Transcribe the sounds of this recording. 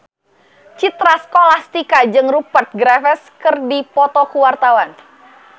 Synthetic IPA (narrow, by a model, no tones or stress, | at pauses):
t͡ʃit̪ɾaskolast̪ikad͡ʒɨŋrupərt̪̚ɡɾafɛskɨrdipɔt̪ɔkuwart̪awan